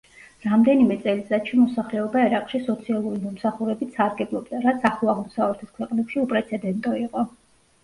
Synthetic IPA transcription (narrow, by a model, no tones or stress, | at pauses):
ɾamd̪ɛnimɛt̪sʼɛlisat͡ʃʰɛnmɔsaχlɛɔbaɛɾaqʼʃisɔt̪sʰialˠuɾimɔmsaχuɾɛbit̪saɾɡɛblˠɔbd̪aɾat̪sʰaχuaʁmɔsavlɛt̪ʰɛskʰwɛqʼnɛpʃiupʼɾɛt̪sʰɛd̪ɛnt̪ʼɔiqʼɔ